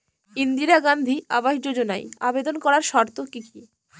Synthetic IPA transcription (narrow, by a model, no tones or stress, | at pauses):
ind̪iɾaɡand̪ʱia̰baʃd͡ʑod͡ʑonajabed̪onkɔɾaɾʃɔɾt̪okiki